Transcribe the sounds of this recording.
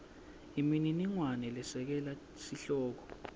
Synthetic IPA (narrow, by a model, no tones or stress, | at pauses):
imininiŋwanɛlɛsɛk̬ɛla | siɬɔːk̬ɔ̥